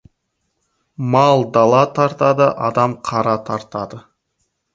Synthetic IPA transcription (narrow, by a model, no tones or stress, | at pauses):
mɑlˠd̪ɑlˠɑt̪ʰɑɾt̪ɑd̪əʔɑd̪ɑmqʰɑɾɑt̪ʰɑɾt̪ɑd̪ə